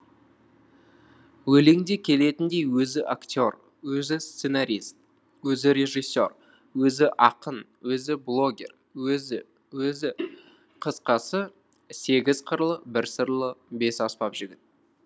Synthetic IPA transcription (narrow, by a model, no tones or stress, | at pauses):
wɵleŋd̪e̞kʲʰe̞le̞t̪ɪnd̪e̞jwɵzɪʔakt̪ʲo̞r | wɵzɪst̪se̞naɾʲijst̪̚ | wɵzɪɾe̞ʒijsːo̞r | wɵzɪʔɑqən | wɵzɪblˠo̞ɡʲe̞̰r | wɵzɪ | wɵzɪ | qʰəsqɑsə | se̞ɡʲɪzqʰəɾlˠəbɪɾsəɾlˠəbe̞sɑspɑpʒɪɡʲɪt̪̚